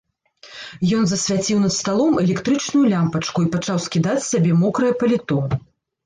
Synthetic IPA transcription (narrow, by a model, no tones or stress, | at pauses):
jɔn̪zɐsʲvʲat͡sʲiwnɐt̪st̪alˠɔmɛlʲɛkt̪ɾɨt͡ʂnujulʲampɐt͡ʂkuipɐt͡ʂawsʲkʲid̪at͡sʲsʲabʲɛmɔkɾɐjɐpɐlʲit̪ɔn